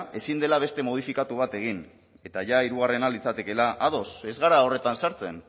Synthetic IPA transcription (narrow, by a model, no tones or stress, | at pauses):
e̞sind̪e̞laβ̞e̞st̪e̞mo̞ð̞ifikat̪uβ̞at̪e̞ɣ̞in | e̞t̪aʝaiɾuɣ̞are̞nalit͡sat̪e̞ke̞laʔaðo̞se̞zɣaɾao̞re̞t̪ansaɾt͡se̞̰n